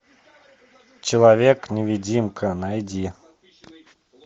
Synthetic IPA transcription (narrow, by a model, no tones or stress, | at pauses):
t͡ɕɪlˠavʲeknʲɪvʲid͡zʲimkʰənajd͡zʲi